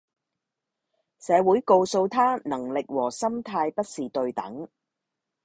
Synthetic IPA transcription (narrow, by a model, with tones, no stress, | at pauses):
sɛː˨˧wuː˨˥jko˧wso˧wt̪ʰaː˥nɐ˨˩ŋlɪ˨k̚wɔː˨˩sɐ˥mt̪ʰaː˧jpɐ˥t̚siː˨t̪ɵ˧ɥt̪ɐ̰˨˥ŋ